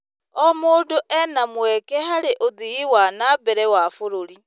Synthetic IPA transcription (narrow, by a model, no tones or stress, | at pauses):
ɔmoːdoʔɛnamwɛkɛɦaɾeʔoðiiwanabɛɾɛwafoɾoɾi